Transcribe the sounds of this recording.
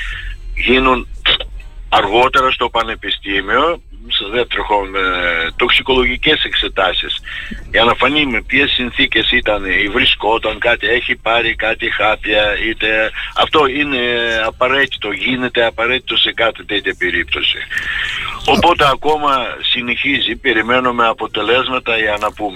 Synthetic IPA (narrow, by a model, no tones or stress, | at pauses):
ʝinun | ɐɾɣo̞t̪e̞ɾɐst̪o̞pɐne̞pist̪imio̞ | sðeft̪ɾoxo | t̪o̞ksiko̞lo̞ʝice̞se̞kse̞t̪ɐsisiɐnɐfɐnimepçesinθice̞sit̪ɐnivɾisko̞t̪ɐŋkɐt̪ie̞çipɐɾikɐt̪ixɐpçɐit̪e̞ɐ̰ft̪o̞ine̞ɐpɐɾe̞t̪i̥t̪o̞ʝine̞t̪e̞ɐpɐɾe̞t̪i̥t̪o̞se̞kɐt̪it̪et̪çɐpe̞ɾip̚t̪o̞sḭ | o̞po̞t̪eɐko̞mɐsine̞çizipe̞ɾime̞nome̞ɐpo̞t̪e̞le̞zmɐt̪ɐʝɐnɐpume